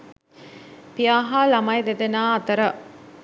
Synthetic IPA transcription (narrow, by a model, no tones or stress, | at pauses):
pijaːɦaːlamajd̪ed̪enaːɐt̪əɾə